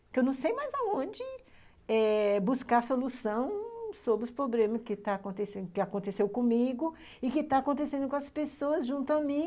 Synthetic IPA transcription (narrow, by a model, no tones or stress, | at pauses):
kewnɐ̃w̃sejmajzaõd͡ʒɪ | ɛbuskaɾsolusɐ̃w̃sobɾɪʊspɾoblẽmɐskɪt̪aːkõnt̪esẽd̪ʊkɪakõnt̪esewkõmiɡʊ | ɪkɪt̪aakõnt̪esẽnd̪ʊkõɐspesoɐzʒũnt̪ʊɐmĩ